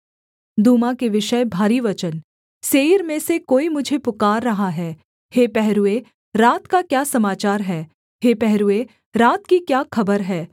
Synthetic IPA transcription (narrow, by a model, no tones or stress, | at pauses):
d̪uːmãkeʋɪʃəbʱaːɾiʋɐt͡ʃən | seːɾmẽsekoːimʊd͡ʒʱepʊkaːɾːɐɦaɦɛː | heːpɛɦɾue | ɾaːt̪kakjaːsɐmaːt͡ʃaːɾɦɛː | heːpɛɦɾue | ɾaːt̪kikjaːxɐbəɾɦɛː